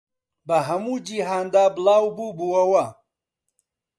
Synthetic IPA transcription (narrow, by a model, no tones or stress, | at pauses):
baɦɐmud͡ʒiɦaːnd̪aːblaːwbubuwɐwa